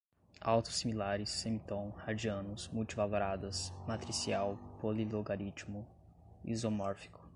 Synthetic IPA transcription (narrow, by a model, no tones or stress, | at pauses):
a̰wt̪ʊ̥similaɾɪsːẽmit̪õw̃had͡ʒiɐ̃nʊsmuwt͡ʃivaloɾad̪ɐsmat̪ɾisiawpoliloɡaɾit͡ʃmʊ | ḭzomɔɾfi̥kʊ̥